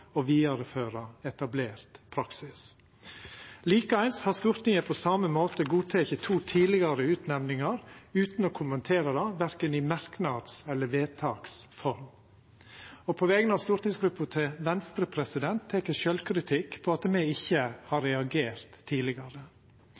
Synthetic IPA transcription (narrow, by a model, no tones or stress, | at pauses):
ɔʋiːɑɾəføːɾɑɛt̪ɑbleːɾt̪pʰɾɑksɪs | liːkəæɪnshɑɾst̪ʊɾt̪nɪŋəpʰɔsɑməmoːt̪əɡuːt̪ʰɛçət̪ʰuːt̪ʰiːlɪɡɑɾəʉːt̪nɛʋnɪŋɑɾʉːt̪nɔkʰʊmənt̪ʰeːɾɑd̪ɑʋæɾkənɪmɑɾknɑd̪sɛlːəʋeːt̪ʰɑːksfɔɾm | ɔpʰɔʋɛːɡənɑʋst̪ʊɾt̪nɪŋsɡɾʉpːɑt̪ʰɪʋɛnst̪ɾəpʰɾɛsɪd̪ɛnt̪ʰːɛkəʃœlkʰɾɪt̪ʰɪkːpʰɔɑt̪mɛɪɪçːəhɑɾːɛɑɡeːɾt̪ʰːiːlɪɡɑɾə